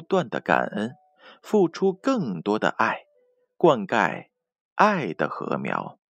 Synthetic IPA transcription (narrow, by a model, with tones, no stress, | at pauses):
t̪wa˥˩nd̪ə˩ka̰˨˩nə˥n | fu˥˩ʈ͡ʂʰu˥kɤ˥˩ŋt̪wɔ˥d̪ə̰˨˩ʔa˥˩ɪ | kwa˥˧nka˥˧˩ɪ | ʔa˥˩ɪd̪ə˩xɤ̰˧˥mjɑ˧˥ʊ